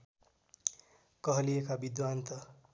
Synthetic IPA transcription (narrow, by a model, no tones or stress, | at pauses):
kʌɦʌlijekabid̪want̪ʌ